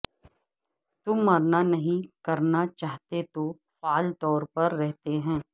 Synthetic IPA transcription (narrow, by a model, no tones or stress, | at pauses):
t̪ʊmːɐɾnanɐɦĩkɐɾnat͡ʃaːɦt̪et̪o | faːlt̪ɔːɾpɐɾːɛɦt̪eɦɛ̃ː